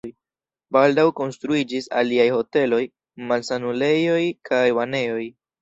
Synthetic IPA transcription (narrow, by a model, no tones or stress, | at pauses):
j | baldawko̞nstɾuid͡ʒisa̰liajho̞te̞lo̞j | malsanule̞jo̞jkʰajvane̞o̞j